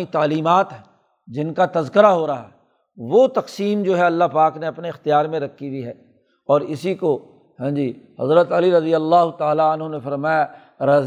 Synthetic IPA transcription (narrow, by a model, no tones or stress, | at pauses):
it̪aːliːmaːt̪ɦɛ | d͡ʒɪnkat̪ɐzkəɾaɦoːɾaːɦɛː | ʋot̪ɐqsiːmd͡ʒoːɦɛɐlːaɦpaːkneɐpneɪxt̪jaːɾmẽɾɐkʰːibʱiɦɛː | ɔːɾɪsiko | ɦɛ̃ːd͡ʒiːɦɐ̰zɾət̪ɐliɾɐd̪ijəlːaːɦʊt̪aːlaɐnɦonẽfɐɾmaːja | ɾɐ